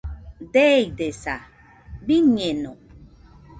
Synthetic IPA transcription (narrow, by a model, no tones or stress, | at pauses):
d̪ejd̪esa | biɲeno